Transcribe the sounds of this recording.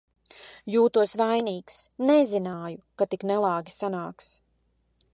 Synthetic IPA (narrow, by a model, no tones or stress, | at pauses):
juːt̪uɔsvajniːksnɛzinaːjukat̪iknɛlˠɑːɡʲisanaːks